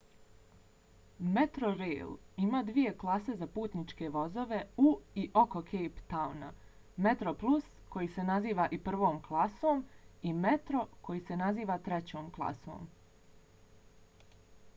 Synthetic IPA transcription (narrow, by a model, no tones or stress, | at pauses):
met̪ɾoɾḛːlimaːd̪ʋije̞klˠase̞zapuːt̪nit͡ʃke̞ʋo̞zo̞ʋe̞uiʔo̞ko̞kʰejpt̪awna | me̞t̪ɾo̞plˠusko̞jise̞naziːʋaʔipr̩ʋo̞ːmklˠasoːmimet̪ɾo̞kʰo̞jise̞naziːʋat̪ɾe̞t͡ɕo̞ːmklˠa̰so̰ːm